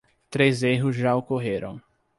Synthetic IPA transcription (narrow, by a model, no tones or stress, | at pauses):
t̪ɾezeɦʊzʒaokoɦeɾɐ̰̃w̃